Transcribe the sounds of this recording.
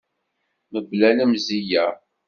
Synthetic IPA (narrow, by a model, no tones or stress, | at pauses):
məblænəmzijæ